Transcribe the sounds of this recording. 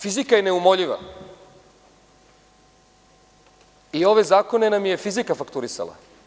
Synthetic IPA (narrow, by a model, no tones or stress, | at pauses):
fizikajene̞umo̞ʎiʋa̰ | io̞ʋe̞zaːko̞ne̞namje̞fizikafakt̪uɾisa̰la̰